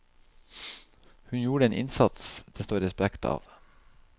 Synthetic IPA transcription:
hʉnjuːɾəeːnʔɪ̰nsɑt̪sd̪̥ɛst̪oːɾɛspækt̪ʰɑ̰ːʋ

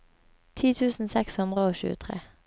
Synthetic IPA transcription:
t̪ʰiːt̪ʰʉːsn̩sɛkshʉnd̪ʁəoːʃʉ̰ːət̪ʰʁḛː

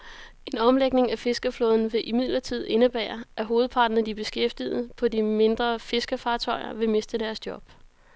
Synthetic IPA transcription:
e̝nɒ̽mleɡ̥̚ne̝ŋæfe̝sɡ̥əflɔ̽ːðˠn̩ʋe̝ʔimið̰ˠlɐt͡sʰið̞̰ˠe̝nəb̥æ̰ːɐʔæɦo̝ːð̩ˠpʰɑ̈ːd̥n̩d̥ib̥e̝sɡ̥efd̥ið̩ˠpʰɒ̽dime̝nd̥ʁɐfe̝sɡ̥əfɑ̈ːt͡sʰɒ̽ɪɐ̰ʋe̝me̝sd̥əd̥æɐsd̥jɒ̽b̥

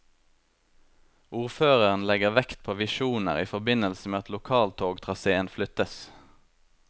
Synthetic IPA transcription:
ʔuːʁføːʁəʁn̩lɛɡəʁʋɛkt̪̚pʰoːʋɪʃuːnə̰ʁiːfɔʁbɪnəlsəmeːɑt̪lʊkʰɑːlt̪ʰoːɡt̪ʰʁɑseːənflʏt̪əs

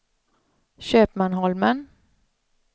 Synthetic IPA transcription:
ɕøːpmanɦɔlmən

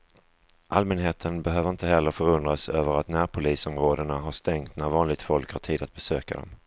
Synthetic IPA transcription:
ʔalmɛnɦeːt̪ʰənbɛɦøːvəɾɪnt̪əɦɛlːəɾfœɾɵnd̪ɾasøːvəɾat̪næːɾpʰʊliːsɔmɾoːd̪əɳaɦaʂt̪ɛŋt̪næɾvɑːnlɪɡ̚t̪fɔlkhaʈʰiːd̪at̪̚bɛsøːka̰d̪ɔ̰m

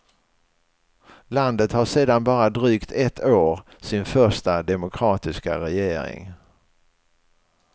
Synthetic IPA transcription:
land̪ət̪haʂeːd̪anbɑːɾad̪ɾyːkt̪ʰɛt̪ʰːoːɾ | sɪnfœʂʈad̪ɛmʊkʰɾɑːt̪ɪska̰ɾɛjeːɾɪ̰ŋ

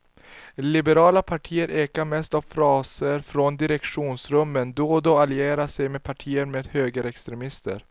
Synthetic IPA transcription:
lɪbɛɾɑːlapʰaʈʰiːəɾʔeːkaɾmɛst̪avfɾɑːsəɾfɾɔnd̪ɪɾɛkʂuːnsɾɵmːənd̪oːd̪ɔalɪeːɾasɛjmeːd̪pʰaʈʰiːəɾmeːd̪høːɡəɾɛkst̪ɾɛmɪst̪ə̰ɾ

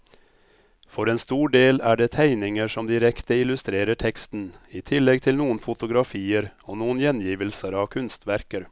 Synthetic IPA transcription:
fɔɾeːnst̪uːɖeːlæɖɛt̪ʰæɪnɪŋəʂɔmd̪ɪɾɛkt̪əɪlʉst̪ɾeːɾəʈʰɛkst̪n̩it̪ʰɪlːɛɡ̚t̪ʰɪlnuːənfʊt̪ʊɡɾɑfiːəɾonuːənjɛnjiːʋəlsəɾɑʋkʰʉnst̪ʋæɾkəɾ

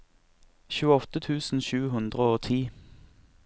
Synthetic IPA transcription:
çʉːəɔt̪ət̪ʰʉːsn̩ʃʉːɦʉnd̪ʁəoːt̪ʰiː

